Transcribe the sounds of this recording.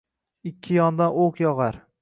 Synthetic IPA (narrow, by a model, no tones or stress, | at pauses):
ɪkʲʰːɪjɒnd̪anoqjɒʁaɾ